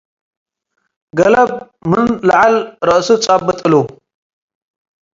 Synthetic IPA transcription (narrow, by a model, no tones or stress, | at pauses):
ɡɐlɐb̚ | mɨnlɐʕalɾɐʔsut͡sʼabːɨt̪ʼɨlu